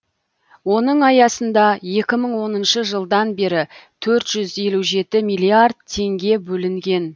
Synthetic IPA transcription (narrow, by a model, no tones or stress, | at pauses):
wo̞nəɴɑjɑsənd̪ɑje̞kʲɪməɴwo̞nənʃəʒəlˠd̪ɑnbe̞ɾɪt̪ʰɵɾt̪ʒ̥ʏze̞luʒe̞t̪ɪmijlʲˠijard̪̚t̪ʰe̞ŋɡʲe̞bɵlɪŋɡʲe̞n